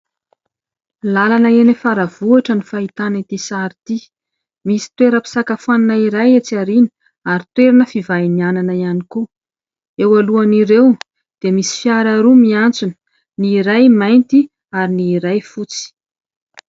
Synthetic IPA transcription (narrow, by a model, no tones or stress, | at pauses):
lalanəenefaɾav̥uaʈ͡ʂənifait̪anit̪isaɾit̪i | misi̥t̪weɾəpi̥sakafaninaiɾajet͡siaɾini̥ | aɾit̪weɾinəfivajniananəianiku | ewaluaniɾew | d̪̥emisi̥fjaɾaɾumiant͡sunə̥ | niɾajmajnt̪i | aɾiniːɾajfut͡si̥